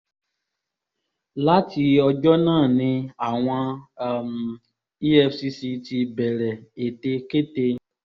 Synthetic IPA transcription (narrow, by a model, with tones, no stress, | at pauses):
la˦ti˧ɔ˧d͡ʒɔ˦nãː˦˨nĩ˧a˨w̃ã˧˨m | i˦ɛ˦fsi˧si˧t̪i˧bɛ˨lɛ˨e˨t̪e˧ke˦t̪e˧